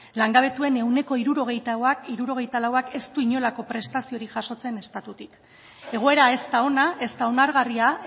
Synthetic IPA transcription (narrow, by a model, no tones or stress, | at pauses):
laŋɡaβ̞e̞t̪ue̞ne̞wne̞ko̞iɾuɾo̞ɣ̞e̞jt̪awakiɾuɾo̞ɣ̞e̞jt̪alawake̞st̪uiɲo̞lako̞pɾe̞st̪asio̞ɾiʝaso̞t͡se̞ne̞st̪at̪ut̪ik | e̞ɣ̞o̞e̞ɾae̞st̪ao̞nae̞st̪ao̞naɾɣaria